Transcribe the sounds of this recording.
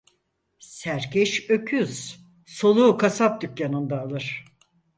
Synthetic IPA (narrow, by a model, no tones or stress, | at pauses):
sæɾcʰɛʃø̞cʰyz̥ | so̞lˠuːkʰasap̚d̪ykjanɯnd̪aːlˠɯɾ̥